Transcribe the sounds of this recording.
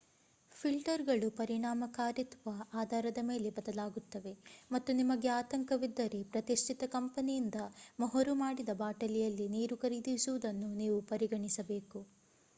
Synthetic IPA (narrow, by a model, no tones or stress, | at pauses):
pʰilʈɐɾɡɐɭupɐɾiɳaːmɐkaːɾit̪ʋɐaːd̪ʱaːɾɐd̪ɐme̞ːle̞bɐd̪ɐlaːɡut̪ːɐʋe̞mɐt̪ːunimɐɡe̞aːt̪ɐŋkɐʋid̪ːɐɾe̞pɾɐt̪iʂʈʰit̪ɐkɐmpɐnijind̪ɐmɐɦɐɾumaːɽid̪ɐbaːʈɐlijɐlːiniːɾukɐɾid̪isuʋud̪ɐnːuniːʋupɐɾiɡɐɳisɐbe̞ːku